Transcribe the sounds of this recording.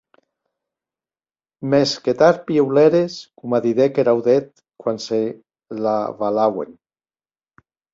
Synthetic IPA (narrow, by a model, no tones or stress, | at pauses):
mesket̪aɾpiewleɾeskumaðiðekeɾawðet̪̚ | kwanse | laβalawḛn